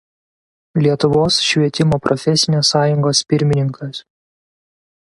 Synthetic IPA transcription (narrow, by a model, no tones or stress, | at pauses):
lʲiɛt̪ʊʋoːsʃʲʋʲiɛt̪ʲɪmoːpɾʔɔfʲɛsʲɪnʲeːsːɑːjʊŋɡoːspʲɪɾʲmʲɪnʲɪŋkʰɐs